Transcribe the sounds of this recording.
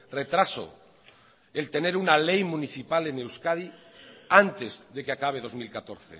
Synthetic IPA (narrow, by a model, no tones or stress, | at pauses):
re̞t̪ɾaso̰ | elt̪e̞ne̞ɾunale̞jmũniθipale̞ne̞wskaðiant̪e̞zðe̞keakaβ̞e̞ð̞o̞zmilkat̪o̞ɾθḛ